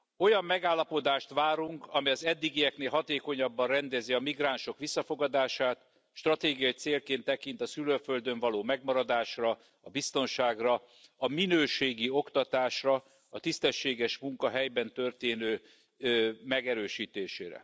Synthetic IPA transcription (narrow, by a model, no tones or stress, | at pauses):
o̞jɒmːɛɡaːlːɒpo̞d̪aːʃt̪ʋaːɾuŋkɒmiɒzɛd̪ːiɡijɛkneːlɦɒt̪eːko̞ɲɒbːɒnrɛnd̪ɛziɒmiɡraːnʃo̞kʋisːɒfo̞ɡɒd̪aːʃaːt̪ | ʃt̪rɒt̪eːɡijɒit̪seːlkeːnt̪ːɛkint̪ɒsyløføld̪øɱvɒloːmɛɡmɒɾɒd̪aːʃrɒ | ɒbist̪o̞nʃaːɡrɒ | ɒminøːʃeːɡio̞kt̪ɒt̪aːʃrɒ | ɒt̪ist̪ɛʃːeːɡɛʃmuŋkɒɦɛjbɛnt̪ø̞rt̪eːnøː | mɛɡɛɾøːʃiːt̪eːʃeːɾɛ̰